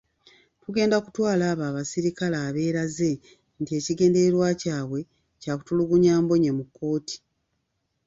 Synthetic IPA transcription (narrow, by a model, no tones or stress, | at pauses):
tuɡe̞ːndakutwaːlaːβaːβasiɾikalaːβe̞ːɾaze̞ | ntie̞ːciɡe̞ːnde̞ɾeɾwaːcaːβwe̞ | caːku̥tuluɡuɲaːmbo̞ɲemukːo̞ːti̥